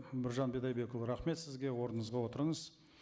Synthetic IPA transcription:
mɪɾʒɑnbed̪ɑjbe̞kolˠɾɑχme̞t̪sɪzɡʲewo̞ɾnəɴəzʁɑwo̞t̪əɾəɴəz̥

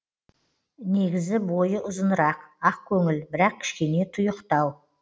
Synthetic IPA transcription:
ne̞ɡʲɪzɪbo̞jəʔʊzənəɾɑqɑqkʲʰɵŋɪlbɪɾɑq̚kʲʰɪ̥ʃkʲe̞ne̞t̪ʰʊjəqt̪ɑw

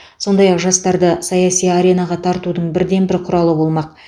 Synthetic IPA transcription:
so̞nd̪ɑjɑqʒɑst̪ɑɾd̪əsɑjɑsijaɾe̞nɑʁɑt̪ʰɑɾt̪ud̪əɴbɪɾd̪e̞nbɪɾqʰʊɾɑlˠəbo̞lˠmɑq̚

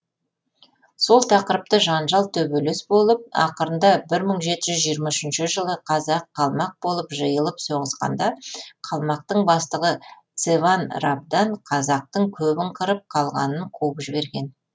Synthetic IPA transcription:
so̞lˠt̪ʰɑqəɾəp̚t̪əʒɑnʒɑlˠt̪ʰɵbɵlesbo̞lˠəp̚ɑ̰qəɾənd̪ɑbɪɾməɴʒe̞t̪ɪʒʏzʒijəɾmɑʏʃɪnʃɪʒəlˠəqʰɑzɑqʰːɑlˠmɑq̚bo̞lˠəpʒəjəlˠəpso̞ʁəzʁɑ̰nd̪ɑqʰɑlˠmɑq̚t̪əɴbɑst̪əʁət̪sevɑnrab̚d̪ɑnqʰɑzɑq̚t̪əɴkʲʰɵbɪɴqʰəɾəp̚qʰɑlˠʁɑ̰nəɴqʰowəpʒɪbe̞ɾɡʲe̞n

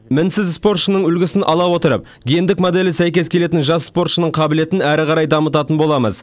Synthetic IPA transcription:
mɪnsɪzspo̞ɾt̪ʃənəɴɵlɡʲɪsɪnʔɑlˠɑwo̞t̪əɾə̰p̚ | ɡʲejend̪ɪkmod̪e̞lɪsæjkʲe̞skʲʰe̞le̞t̪̬ɪnʒɑsspo̞rt̪ʃənəɴqʰɑbɪle̞t̪ɪnæɾɪqʰɑɾɑjd̪ɑmət̪ɑt̪ənbo̞lˠɑmə̰z

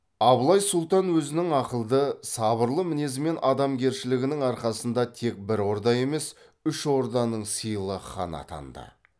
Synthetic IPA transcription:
ɑblˠɑjsʊlˠt̪ɑnwɵzɪnɪŋɑqəlˠd̪əsɑbəɾlˠəmɪne̞zme̞nʔɑd̪ɑmɡʲe̞ɾʃɪlɪɡʲɪnɪŋɑɾqɑsənd̪ɑt̪ʰe̞k̚bɪɾo̞ɾd̪ɑje̞me̞s | ʏʃo̞ɾd̪ɑnəɴsijlˠəχɑ̰nɑ̰t̪ʰɑ̰nd̪ə̰

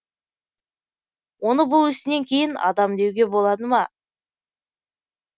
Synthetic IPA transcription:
wo̞nəbʊlˠɪst̪ɪne̞ŋkʲʰe̞jɪnɑ̰d̪ɑmd̪e̞wɡʲe̞bo̞lˠɑd̪əmɑ

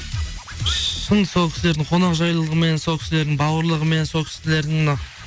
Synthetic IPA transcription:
ʃənso̞lˠkʲʰɪ̥sle̞ɾd̪ɪɴqʰo̞nɑqʒɑjlˠəlˠəʁəmenso̞lˠkʲɪ̥sle̞ɾd̪ɪŋbɑwəɾlˠəʁəme̞nnso̞lˠkʰʲɪ̥sɪle̞ɾd̪ɪŋnɑ

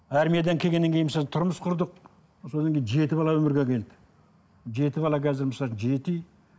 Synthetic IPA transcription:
æɾmijed̪ɑŋkʲʰe̞ɡʲe̞nːeŋkʰʲejnmsɑnt̪ʰʊɾməsqʰʊɾd̪əq | so̞d̪ɑŋkʲejnʒe̞t̪ɪbɑlˠɑwɵmɪɾɡʲekʲʰe̞ld̪ɪ | ʒe̞t̪ɪbɑlˠɑkʲʰæzɪɾməsɑlˠt͡ʃənʒe̞t̪ij

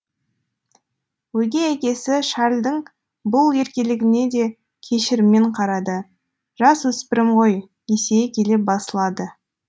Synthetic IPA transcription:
wɵjɡʲe̞ækʲe̞sɪʃɑɾlʲd̪əŋ | bʊlˠje̞ɾkʲelɪɡʲɪne̞d̪e̞ | kʲʰe̞ʃɪɾɪmːe̞ɴqʰɑɾɑd̪ə | ʒ̥ɑswɵspɪɾɪmʁo̞j | esejkʲʰe̞lep̚bɑsəlˠɑd̪ə

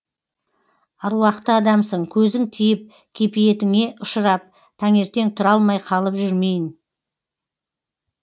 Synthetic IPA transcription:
ɑɾwɑqt̪əɑd̪ɑmsəɴkʲʰɵzɪŋt̪ʰijɪp̚ | kʲʰe̞pije̞t̪ɪŋe̞ʔʊʃəɾɑp̚ | t̪ʰæŋe̞ɾt̪e̞ŋt̪ʰʊɾɑlˠmɑjqʰɑlˠəpʒʏɾme̞jɪn

